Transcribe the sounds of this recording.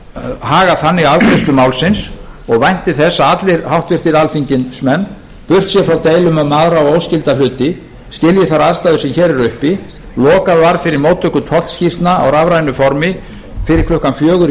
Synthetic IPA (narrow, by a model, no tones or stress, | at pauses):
haːɣaθanːɪɣavkʰɾɪst̪ʏmawlsɪns | ɔɣvajn̥t̪ɪθɛsːaat̪lɪɾhawht̪vɪr̥t̪ɪɾalfiɲcɪnsmɛnː | pʏr̥t̪sjɛfɾawt̪eːjlʏmamaːðɾaɔoːwscɪlt̪alʏːt̪ɪ | scɪljɪθaɾaðst̪ajðʏsɛmçɛːɾɛɾʏhpi | lɔːkaðvaɾfɪɾɪɾmoːwt̪œkːʏt̪ʰɔlscist̪naawɾavɾajnʏfɔɾmɪ | fɪɾɪɾ̥kʰlʏhkanfjœːɣʏɾ